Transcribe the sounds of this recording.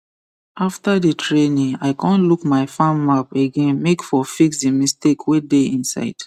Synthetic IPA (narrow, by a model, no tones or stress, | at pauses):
aftaditʰɹenĩaɪkʰɔ̃nlukmaɪfãmapeɡẽnmekfɔfiksdimistekwedeĩnsa̰ɪd̥